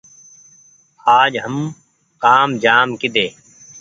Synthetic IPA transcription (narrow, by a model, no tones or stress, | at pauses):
aːd͡ʒɦəm | kaːmd͡ʒaːmkɪd̪eː